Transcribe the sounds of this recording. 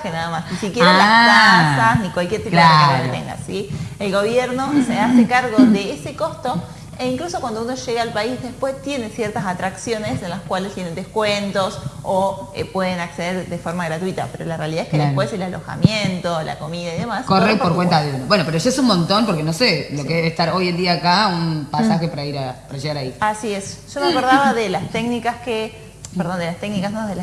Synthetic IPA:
kenaðamasnisikjeɾalakasasnikwalkjeɾt̪iplaeolet̪ḛŋɡa̰sielɣo̞β̞jeɾnoseasekaɾɣoðeeseko̞st̪o̞ | eiŋklusokwand̪ounoʒeɣeaːlpaizðespwe̞st̪je̞ne̞sjeɾt̪asat̪ɾaksjo̞ne̞senlaskwalest̪jene̞nd̪ehkwent̪o̞soepwe̞ðe̞nakse̞ðeɾðefo̞ɾmaɣ̞ɾat̪wit̪a̰peɾo̞larealiðaeskeðespweselalo̞̰xa̰mjent̪o̞la̰ko̞miðaiðe̞maskorepoɾkwent̪aðeunobwenopeɾoʒaesunmõnt̪o̞mpoɾkeno̞selokkeeest̪aɾo̞jend̪iaːkaunpasaxepaɾaiɾapaɾaʒeɣaɾaiasie̞sʒ̥omako̞ɾðaβaðelast̪eknikaske | peɾðo̞nd̪elast̪eknikasnoðela

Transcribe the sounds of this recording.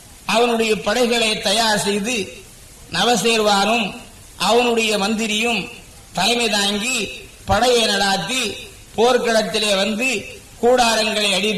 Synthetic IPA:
ɐʋɐnɯɽɐjɐpɐɽɐɪɣɐɭɐɪt̪ːɐjaːɾsɛjðɯ | nɐʋɐseːɾʋaːnɯm | ʔɐʋɐnɯɽɐjɐmɐnd̪ɪɾɪjɯm | t̪ɐlɐɪmɐɪðaːŋɡi | pɐɽɐjɐɪnɐɽaːt̪ːi | poːɾkɐɽɐt̪ːɪleːʋɐnd̪ɯ | kuːɽaːɾɐŋɡɐɭɐɪɐɽɪ

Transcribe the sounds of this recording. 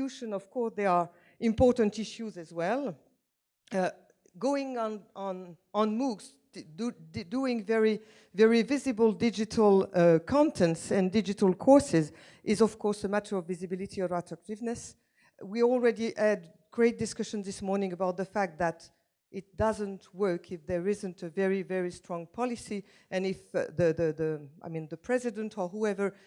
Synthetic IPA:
uʃə̃nɔv̥kʰɔɹsðɛə | ɪ̃mpɔɹtə̃ntɪʃjuzɨzwɛlˠ | ɡoʊɪ̃ŋə̃nə̃n | ə̃nmuɡz | duɪ̃ŋvɛɹi | vɛɹivɪzɨbəl̩ˠdɪd͡ʒɨtʰəl̩ˠkʰɑ̃ntʰɛ̃ntsɨ̃ndɪd͡ʒɨtəl̩ˠkʰɔɹsɪz | ʔɪzʌv̥kʰɔɹsəmætə˞ʌvːɪzɨbɪlˠɨtʰiəvætʰɹ̥ək̚tɪvnɨs | wiɔlˠɹɛdiʔæd̚ | ɡ̥ɹeɪt̚d̥ɨskʌʃɨ̃n̩zðɪsmɔɹnɪ̃ŋəbaʊt̪̚ðəfæk̚t̪̚ðæɾ | ʔɪt̚d̥ʌzə̃ntʰwɜ˞kʰɨfðə˞ɪzɨ̃ntʰɨvɛɹivɛɹistɹ̥ɔ̃ŋpʰɑlˠɨsi | ʔɨ̃nɪfðɨðɨðəaɪmĩnðəpʰɹ̥ɛzɨdə̃ntʰə˞huɛvə˞

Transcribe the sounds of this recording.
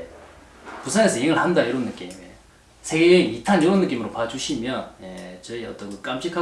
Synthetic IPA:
pusʰaŋesʰʌiŋɯɭhandaiɾʌnːɯk͈ime | sʰe̞ɡenitʰanjoɾonːɯk͈imɯɾopad͡ʑuɕʰimjʌnjet͡ɕʌiʌt͈ʌnkɯk͈amɕ͈ʰikʰa

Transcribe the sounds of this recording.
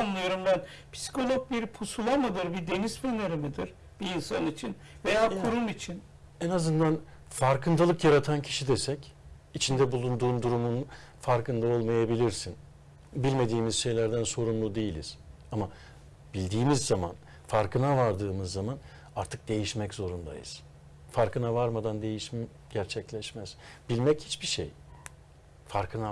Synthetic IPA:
anlˠɯjo̞ɾumbæn | pʰi̥si̥kʰo̞lʲok̚biɾpʰusulˠamad̪ˠɯɾbid̪e̞nizfɯneɾimid̪iɾ | b̥iːnsanit͡ʃʰin | ve̞jaːkʰuɾumit͡ʃʰin | ɛnazɯnd̪an | faɾkʰɯnd̪alˠɯkjaɾat̪ʰancʰi̥ʃid̪esɛc | it͡ʃʰind̪ɛbulˠund̪uːnd̪uɾumun | faɾkʰɯnd̪ao̞lˠmajabilʲiɾsin | bilʲme̞d̪iːmiz̥ʃe̞jlʲæɾd̪ænso̞ɾunlˠud̪e̞jilʲḭz̥ | ama | bilʲd̪iːmizːaman | faɾkʰɯnavaɾd̪ɯːmɯzːaman | aɾt̪ʰɯk̚d̪e̞jiʃmɛczo̞ɾund̪a̰jɯ̰z̥ | faɾkɯnavaɾmad̪and̪e̞jiʃ | ɟæɾt͡ʃʰɛclʲɛʃmɛz̥b̥ilʲmɛchit͡ʃbiʃḛj | faɾkʰɯna

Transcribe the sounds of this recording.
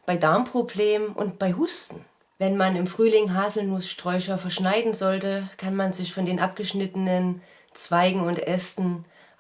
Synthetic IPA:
b̥aɪdaɐmpʁ̥obleːməmʔʊ̰nt̚b̥aɪɦustn̩ | vɛnmanɪmfʁ̥yːlɪŋɦaːzl̩nʊsʃtʁ̥ɔʏʃɐfɛɐʃnaɪdn̩zɔltəkʰanmanzɪçfɔndeːnʔapɡ̥əʃnɪtənən | t͡sv̥aɪɡŋ̩ʊntʔɛstn̩

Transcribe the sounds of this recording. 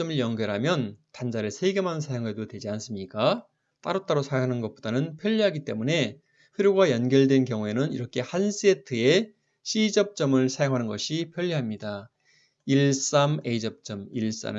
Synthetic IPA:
ʌmɯɭjʌŋɡjʌɾɦamjʌntand͡ʑaɾɯɭsʰeɡemanɯnsʰajoŋɦe̞dotwe̞d͡ʑians͈ɯmɲik͈a | t͈aɾot͈aɾosʰajoŋɦanɯnɡʌp͈odanɯnpʰjʌʎːiɦaɡit͈e̞mune̞ | ɸeɾjoɡajʌnɡjʌɭdwe̞nkjʌŋue̞nɯniɾʌkʰe̞hans͈etʰɯe̞ | ɕʰid͡ʑʌp̚t͡ɕ͈ʌmɯɭsʰajoŋɦanɯnɡʌɕʰipʰjʌʎːiɦamɲida | iɭs͈ame̞id͡ʑʌp̚t͡ɕ͈ʌmiɭs͈a̰nɯ

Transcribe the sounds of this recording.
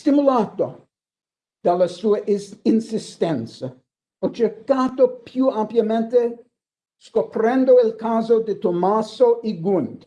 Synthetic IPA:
st̪imulaːt̪o | d̪̥alːasuːɐʔinsist̪ɛnt̪sa | ɔt͡ʃeɾkaːt̪opjuampjamẽnt̪e | skopɾɛ̃nd̪oilkaːzod̪it̪omasoʔiɡund̪

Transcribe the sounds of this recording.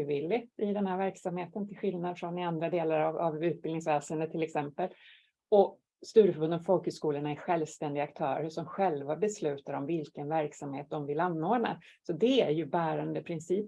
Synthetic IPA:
vɪlːɪt̪ɪd̪ɛnhæːɾvæɾksamheːt̪ənt̪ʰɪlɧɪlnad̪fɾɔnɪand̪ɾad̪eːlaɾavavʉ̟ːt̪̚bɪlnɪŋsvɛːsənd̪ət̪ʰːɪlɛksɛmpəl | ɔ | st̪ʉ̟ːɾəfœɾbɵnd̪əɔfɔlkhʉskuːləɳaæɧɛlvst̪ɛnd̪ɪɡakt̪ʰœːɾəʂɔmɧɛlvabɛslʉ̟ːt̪aɾɔmvɪlkənvæɾksamheːt̪̚d̪ɔmvɪlanːoːd̪na̰ | sɔd̪ɛæɾjɵbæːɾand̪əpʰɾɪnsiːp

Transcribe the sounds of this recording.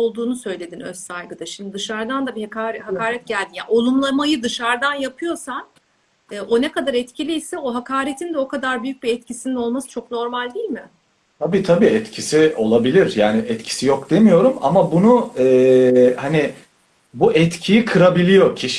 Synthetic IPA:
olˠd̪uːnusø̞jlʲe̞d̪inøssajɡɯd̪aʃimd̪id̪ɯʃaɾd̪and̪abihakaɾɛɦakaːɾɛt̪̚ɟælʲd̪inja̰ʔo̞lˠumlˠamajɯd̪ɯʃaɾd̪anjapʰɯjo̞san | ɛːʔo̞nekad̪aɾɛt̪cʰilʲijsɛo̞ɦakʰaːɾet̪ʰind̪ɛo̞kʰad̪aɾbyjyc̚biɛt̪cʰisinino̞lˠmasɯ̥t͡ʃʰo̞kno̞ɾmalʲd̪iːlʲmɪ | t̪ʰabiːt̪ʰabiːɛt̪cʰisio̞lˠabilʲiɾjaːnɪʔɛt̪cʰi̥sijo̞kd̪e̞mijo̞ɾuma̰mabunuɛːhanɪ | buʔɛt̪cʰijikʰɯɾabilʲijo̞cʰiʃ

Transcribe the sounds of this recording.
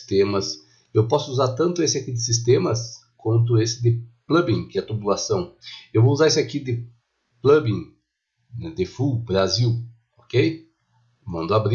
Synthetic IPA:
st̪ẽmɐs | ewpɔsʊuzaɾt̪ɐ̃nt̪ʊesɪakid̪ɪsist̪ẽmɐs | kwɐ̃nt̪̬ʊesɪd̪ɪplɐbĩŋkɪɛɐt̪ɾubulasɐ̃w̃ewvouzaɾisʊakid̪ɪ | plɐbĩŋ | nɛd̪ɪfubɾaziw | okej | mɐ̃nd̪ʊabɾi

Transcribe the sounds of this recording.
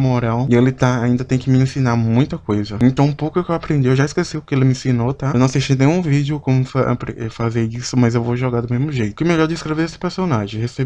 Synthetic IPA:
moɾawɪelɪt̪aaĩnd̪ɐt̪ẽj̃kɪmɪẽsinaɾmũj̃t̪ɐkojzɐẽnt̪ɐ̃w̃ũpowkʊewkewapɾẽnd͡ʒiewʒaiskesiʊkɪelɪmɪẽsinot̪aenɐ̃w̃ɐsiʃijnẽj̃ũvid͡ʒɪʊkõmʊfa̰pɾeɛfazeisʊmɐzewvoʒɔɡaɾd̪ʊmezmʊʒejt̪ʊkɪmɛʎɔɾd͡ʒɪːskɾeveɾesɪ̥peɾsonaʒẽj̃heseb

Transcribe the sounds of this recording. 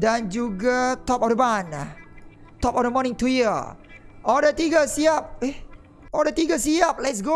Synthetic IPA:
dãnd͡ʒuɡat̪ɔpɔfdəbana̰ | t̪ɔpɔfdəmɔnĩŋt̪ujə | ʔɔldət̪iɡəsiap̚e | ɔldət̪iɡəsiap̚lɛtsɡo

